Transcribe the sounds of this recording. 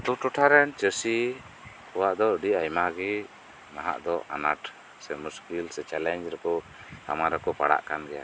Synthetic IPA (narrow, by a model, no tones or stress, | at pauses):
t̪uʈuʈʰaɾɛnt͡ʃəsi | kɔwaʔd̪ɔɖiajmaɡɛ | naɦa̰ʔd̪ɔa̰naʈ | sɛmuskilsɛt͡ʃɛlɛnd͡ʒɾɛkɔ | ka̰maɾɛkɔpa̰ɽa̰ʔkanɡɛja̰